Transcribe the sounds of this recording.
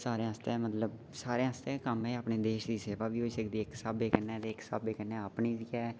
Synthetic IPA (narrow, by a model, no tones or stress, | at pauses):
saːɾẽɦəst̪ẽɛːmət̪ləb | saːɾẽɦəst̪ẽkəmɛːaːpneːd̪eːʃd̪iːseːʋaːʋiːɦoːiːsəkd̪iːɪksaːbeːkənɛːt̪eːksa̰ːbeːkənɛ̃ːapniːd͡ʒiːɛː